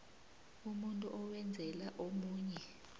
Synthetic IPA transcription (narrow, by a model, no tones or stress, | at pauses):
umuntʼuʔɔwɛnd͡zʱɛlaʔomuːɲɛ